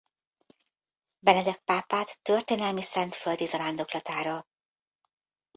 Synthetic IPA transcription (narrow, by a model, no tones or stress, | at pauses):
bɛnɛd̪ɛk̚paːpaːt̪ːørt̪eːnɛlmisɛnt̪føld̪izɒɾand̪o̞klɒt̪aːɾɒ